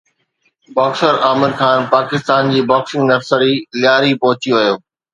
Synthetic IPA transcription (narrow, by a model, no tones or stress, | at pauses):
bɔːksəɾaːmɪɾxʰaːnpaːkɪst̪aːnd͡ʑiːbɔːksɪ̃ŋɡnɐɾsəɾilɪjaːɾipɐɦʊt͡ɕiʋɐjoː